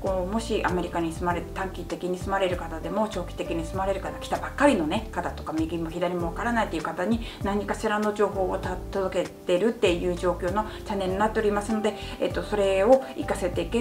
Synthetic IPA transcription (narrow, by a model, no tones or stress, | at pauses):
ko̞ːmo̞ɕiʔame̞ɾʲikaɲ̟isɨmaɾe̞t̪et̪ãŋkʲit̪e̞kʲiɲ̟isɨmaɾe̞ɾɯ̟kat̪ad̪e̞mo̞t͡ɕo̞ːkʲi̥t̪e̞kʲiɲ̟isɨmaɾe̞ɾɯ̟kat̪akʲi̥t̪abakːaɾʲino̞ne̞kat̪at̪o̞kamʲiɡʲimːo̞çʲid̪aɾʲimo̞β̞akaɾanait̪ːeiɯ̟kat̪aɲ̟i | nãɲ̟ikaɕiɾano̞ʑo̞ːɦo̞ːt̪at̪ːozoke̞t̪e̞ɾɯ̟t̪ːe̞jɯ̟ːʑo̞ːkʲo̞ːno̞ | t͡ɕanːe̞ɲʲːinat̪ːeoɾʲimasɨno̞d̪e̞ḛt̪ːo̞so̞ɾe̞o̞ikase̞t̪e̞ike